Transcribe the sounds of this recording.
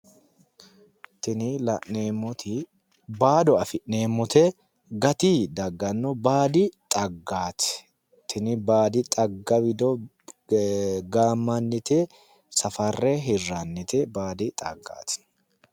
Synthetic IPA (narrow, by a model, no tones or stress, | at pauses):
t̪ɪnɪlɐʔneːmːɔt̪ʰɪ | baːd̪ɔɐfɪʔneːmːɔt̪ɛ | ɡɐt̪ɪd̪ɐɡːɐnːɔbaːd̪ɪt̪ʼɐɡːaːt̪ɛ̥ | t̪ʰɪnɪbaːd̪ɪt̪ʼɐɡːɐbɪd̪ɔ | ɡaːmːɐnːɪt̪ɛ | sɐfɐrːɛɦɪrːanːɪt̪ɛbaːd̪ɪt̪ʼɐ̰ɡːa̰ːt̪ɪ̥